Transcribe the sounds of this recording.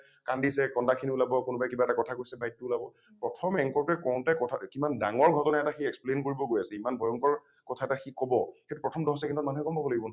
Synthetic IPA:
kandisɛkɔndakʰiniulabɔkʊnʊbajkibaɛtakɔtʰakoɹisɛbajitːʊulabɔ | pɹɔtʰɔmɛŋkɔɹkɛkɔʊ̃ntakɔtʰakimandaŋɔɹɡʱɔtɔnaɛtaxiɛksplenkoɹibɔɡojasɛimanbʱɔjɔŋkɔɹ | kɔtʰaɛtaxikɔbɔxetupɹɔtʰɔmdɔɦɔsakʰɛntɔtmanuɦɛkɔmbɔbɔloɡibɔn

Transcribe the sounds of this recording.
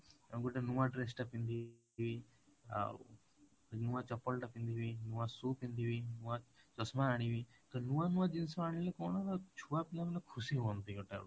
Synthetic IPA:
ɡɔʈenuwaɖɾes̬ʈapind̪i | ʋi | a̰ | nuat͡ʃɔpːɔlʈapind̪iʋinuwasuːpind̪iʋinuat͡ʃɔsmaaɽ̃iʋi | k̪ɔnuanuad͡ʒinsmaaɽ̃ilekɔɽ̃alat͡ʃʰuapinamlakʰusiɦuɔnt̪iɡɔʈa̰ɽu

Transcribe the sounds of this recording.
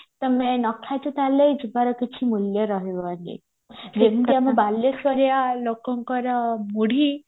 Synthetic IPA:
t̪ɔmenɔkʰajt̪ut̪alejd͡ʒubaɾɔkit͡ʃʰimuljɔɾɔɦeanḭ | ɾemiamɔbalːɔsɔɾjalokɔŋkɔɾɔmuɽ̤ʱi

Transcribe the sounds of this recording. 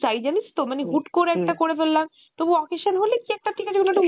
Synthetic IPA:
t͡ɕajd͡ʑanist̪omaniɦuʈkoɾeɛk̚ʈakoɾefelːam | t̪obuɔkeʃanɦolekiɛk̚ʈat̪ʰikat͡ɕʰekonoʈo

